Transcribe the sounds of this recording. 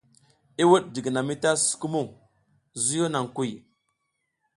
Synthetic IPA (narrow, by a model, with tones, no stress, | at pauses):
i˦wu˦ɗ̚di˨ɡi˨na˨mi˦ta˦su̥˦ku˦mu˦˨ŋ | zu˦jo˦na˨ŋku˦˨j